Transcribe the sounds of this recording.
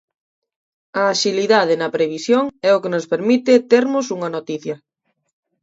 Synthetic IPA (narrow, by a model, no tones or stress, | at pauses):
ɐːʃiliðað̞enɐpɾeβ̞isjoŋɛʊkenʊspeɾmit̪ɪt̪eɾmʊsuŋɐnot̪iθjɐ